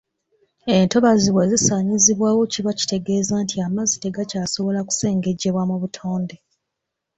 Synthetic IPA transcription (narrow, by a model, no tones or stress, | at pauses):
e̞nto̞βaziβweːzisaːɲiziβwaːwo̞ciβaci̥te̞ɡe̞ːzaːntʰiamazite̞ɡacaːso̞βo̞laku̥se̞ːŋɡe̞ɟːe̞βwamuβutʰo̞ːnde̞